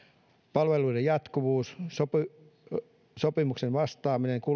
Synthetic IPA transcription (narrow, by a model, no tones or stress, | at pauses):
pɑlʋeluidejɑt̪kuʋuːssopi | sopimuksenʋɑst̪ɑːmineŋku